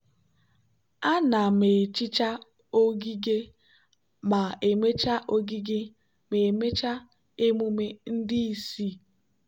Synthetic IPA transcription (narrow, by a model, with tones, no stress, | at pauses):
a˦na˨me˨t͡ʃi˦t͡ʃa˦ | o˦ɡi˦ɡe˦ | ma˨e˨me˦t͡ʃa˦ʔo˦ɡi˦ɡɪ˦ | me˨me˦t͡ʃa˦ | e˦mu˦me˦n̩˦dɪ˦i˨si˦